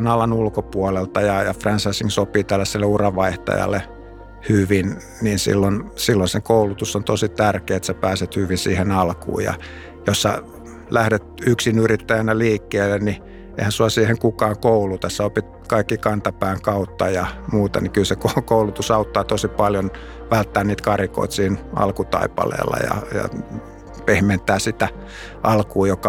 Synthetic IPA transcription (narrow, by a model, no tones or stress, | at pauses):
nɑlɑnulkopuolelt̪ɑjɑjɑfrɑnsɑisiŋsopiːt̪ælːæsːelːeurɑʋɑiht̪ɑ̰jɑ̰lːe | hyʋin | niːnsḭlːonsilːonsekoulut̪usːont̪osit̪ærkeːet̪sæpæːset̪hyʋinsiːhenɑlkṵːjɑ̰ | josːæ̰ | læhdet̪yksinyrit̪ːæjænæliːkːeːlːenni | ḛihænsuɑsiːheŋkukɑːŋkoulut̪ɑssæopit̪ | kɑikːikɑnt̪ɑpæːŋkɑut̪ːɑjɑmuːt̪ɑ̰nikylsekokoulut̪usɑut̪ːɑːt̪osipɑljon | ʋælt̪ːæːnniːt̪kɑriko̰it̪siːnʔɑ̰lkut̪ɑ̰ipɑ̰lḛːlːɑ̰jɑ̰jɑ̰ | pehment̪æːsit̪æ | ʔɑlkuːjokːɑ